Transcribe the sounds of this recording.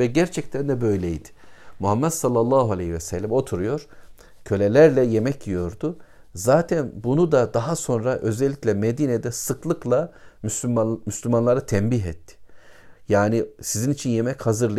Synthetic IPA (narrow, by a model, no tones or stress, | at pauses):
vɛɟæɾt͡ʃʰɛc̚t̪ʰænd̪ɛbø̞jlʲɛjd̪ɪ̥muɦamːɛd̪salˠːalˠːaːɦualʲejhivɛsɛlʲːæmo̞t̪ʰuɾujo̞ɾ̥ | cʰø̞lʲelʲæɾlʲɛjemɛcʰijo̞ɾd̪ʊ | zaːt̪ʰɛnbunud̪ad̪aɦaso̞nɾaʔø̞zɛlʲːicʲlʲɛmed̪iːned̪ɛsɯklˠɯklˠamysmyslʲymanlˠaɾat̪ʰɛmbiɦɛt̪ʰːɪ̥jaːnisizinit͡ʃʰinjemɛchazɯɾlˠ